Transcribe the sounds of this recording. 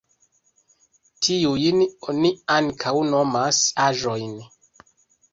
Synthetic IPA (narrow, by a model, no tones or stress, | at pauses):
tʰiujnoniaŋkʰawnomasaʒo̞jn